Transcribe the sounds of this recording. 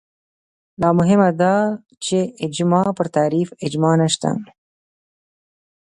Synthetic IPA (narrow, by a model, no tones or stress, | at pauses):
lɑːmʊɦɪmad̪ɑ | t͡ʃeɪd͡ʒmɑːpəɾt̪aːɾiːfɪd͡ʒmɑːnaʃt̪a̰